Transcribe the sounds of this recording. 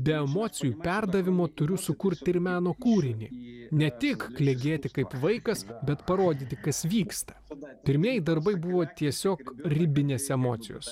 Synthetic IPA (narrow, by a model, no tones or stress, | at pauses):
bʲɛɛmoːt̪sʲɪjuːpʲɛɾd̪ɐʋʲɪmoːt̪ʊɾʲʊsʊkʊɾʲt̪ʲɪɾʲmʲæːnoːkuːɾʲɪnʲḭːnʲɛt̪ʲɪkklʲɛɡʲeːt̪ʲɪkɐɪpʋɐɪkɐsbʲɛt̪pɐɾoːd̪ʲit̪ʲɪkɐsʋʲiːkst̪ɐ̥pʲɪɾʲmʲeɛjɪd̪ɐɾbɐɪbʊʋoːt̪ʲiɛsʲoːkɾʲɪbʲɪnʲeːsɛmoːt̪sʲɪ̰jo̰ːs